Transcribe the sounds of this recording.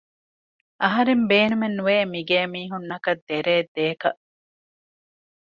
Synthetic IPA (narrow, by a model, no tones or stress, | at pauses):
ʔɐɦɐɾembeːnumenːuʋeːmiɡeːmiːɦunːɐkɐd̪ːeɾeːd̪eːkɐ̰ʔ